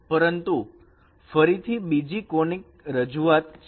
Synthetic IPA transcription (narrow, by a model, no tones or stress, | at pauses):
pəɾənt̪u | fəɾit̪ʰibid͡ʒikoɳik̚ | ɾəd͡ʒuat̪